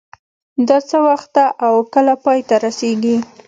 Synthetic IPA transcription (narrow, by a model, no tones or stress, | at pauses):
d̪ɑt͡səwaxt̪ːaʔawkəlapɑjt̪aɾaseɡi